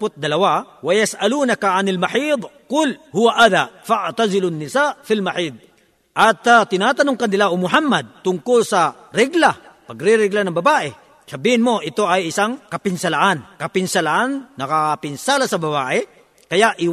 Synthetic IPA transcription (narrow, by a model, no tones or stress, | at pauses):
pʊt̪̚d̪ɐlɐwawɐjɐsʔɐluːnɐkaʕanɐlmaħiːd̪ˤkʊlhʊwaʔaðafaʕt̪azɪlʊnːɪsaːʔfilmaħiːd̪̚ | ʔɐt̪ːat̪ɪnaːt̪ɐnʊŋkand̪ɪlaʔʊmʊħamːɐd̪̚t̪ʊŋkʊlsɐ | ɾɛɡlapɐɡɾɪɾɛɡlanɐŋbɐbaːʔɛ | sɐbiːhɪnmo̞ʔɪt̪oʔɐjɪsaŋkɐpɪnsɐlaʔankɐpɪnsɐlaʔanːɐkapɪnsaːlasɐbɐbaːʔɛ | kɐjaʔɪ